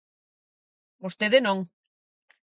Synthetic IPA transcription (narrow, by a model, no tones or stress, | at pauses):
ust̪eðenoŋ